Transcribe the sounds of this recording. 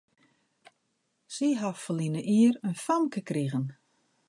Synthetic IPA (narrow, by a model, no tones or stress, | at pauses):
siɦaffəlinəʔiərənfamkəkriɣən